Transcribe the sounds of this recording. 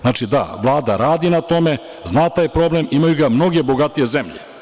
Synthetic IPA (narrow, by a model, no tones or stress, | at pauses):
zaːt͡ʃid̪a̰ʋlˠaːd̪aɾaːd̪inat̪o̞me̞ | znaːt̪aːjpɾo̞ble̞mimajuɡamno̞ɡe̞bo̞ɡat̪ije̞zemʎḛ